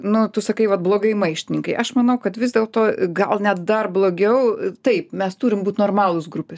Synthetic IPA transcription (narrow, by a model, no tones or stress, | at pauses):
nʊt̪ʊsɐkɐɪʋɐt̪̚blˠoːɡɐɪmɐɪʃʲt̪ʲɪnʲɪŋkɐɪʔɐʃmɐnɐʊkɐt̪ʋʲɪzʲd̪ʲeːlˠt̪oːɡɐlˠnʲɛt̪̚d̪ɐrblˠoːɡʲɛʊt̪ɐɪpmʲɛst̪uːɾʲɪmbuːt̪noːrmɑːlˠʊsɡɾʊpʲɛs